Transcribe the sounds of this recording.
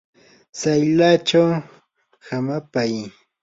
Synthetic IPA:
sajlat͡ʃaw | hamapaj

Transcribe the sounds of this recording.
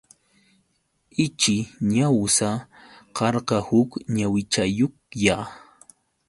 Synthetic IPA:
ɪt͡ʃɪɲawsaqɑɾqɑhʊkɲawɪt͡ʃajokja

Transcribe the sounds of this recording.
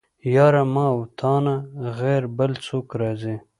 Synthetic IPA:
jɑːɾamɑwt̪ʰɑːnaɣeɾbəlt͡sʰoːkɾɑzi

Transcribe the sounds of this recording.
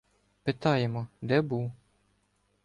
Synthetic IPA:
pɪt̪ɑjɛmɔd̪ɛbuw

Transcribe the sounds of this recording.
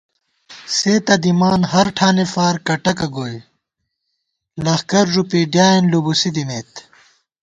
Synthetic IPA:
seːt̪ɐd̪imaːnɦɐɾʈʰaːnefaːɾkɐʈɐkɐɡoːj | lɐxkɐɾʐupiɖjaːenlubusid̪imeːt̪

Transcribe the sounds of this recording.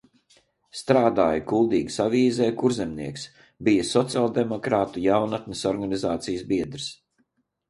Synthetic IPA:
st̪ɾaːd̪aːjkulˠd̪iːɡsaviːzɛːkuɾzɛmnḭɛks | bijasɔt̪sialˠd̪emɔkɾaːt̪ujawnat̪nisɔɾɡanizaːt̪sijsbiɛd̪ɾɨs

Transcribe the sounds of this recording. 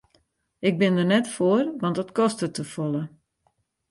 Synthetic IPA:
ɪk̚bɪndərnɛtfoərʋɑndɔtkɔstətəfɔlˠə

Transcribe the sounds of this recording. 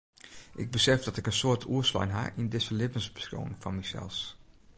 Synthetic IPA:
ʔɪɡ̚bəsɛfdɑtɪkənsʊːɹtʰuːəsla̰nɦa̰ʔɪndɪsəlɪbənzbəsra̰wɪ̰ŋfɔnmɛsɛ̰lˠs

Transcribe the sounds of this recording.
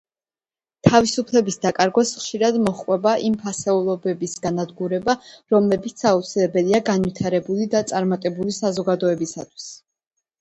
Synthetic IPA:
t̪ʰavisupʰlɛbisd̪akʼaɾɡwasχʃiɾad̪mɔχqʼwɛbaʔimpʰasɛulˠɔbɛbisɡ̥anad̪ɡuɾɛbaɾɔmlɛbit̪sʰaut̪sʰilɛbɛliaɡanwit̪ʰaɾɛbulid̪at̪sʼaɾmat̪ʼɛbulisazɔɡad̪ɔɛbisa̰t̪ʰwi̥s

